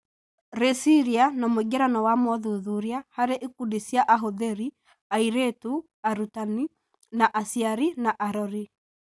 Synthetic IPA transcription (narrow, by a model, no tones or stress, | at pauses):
ɾesiɾianamoɡɛɾanɔwamɔðuðuɾiahaɾeʔikudisjaʔaɦoðeɾi | aiɾetu | aɾutani | naʔasiaɾinaʔaɾɔɾi